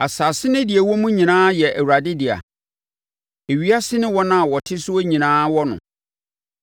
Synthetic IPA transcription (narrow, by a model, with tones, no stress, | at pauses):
a˨saː˨sɪ˦nɪ̃˦dɪ˨ɛ˨wɔ˦mũ˦ɲĩ˨nãː˦jɛ˨ʔæ˨wu˨ɾa˨dɪ˦dɪ˨a̰˨ | e˨ɥi˦a˦sɪ˦nɪ̃˦wɔ˦nã˦˨wɔ˨tʰɪ˦sʊ˦ɔ˦ɲĩ˨nãː˦wɔ˦nʊ̰̃˨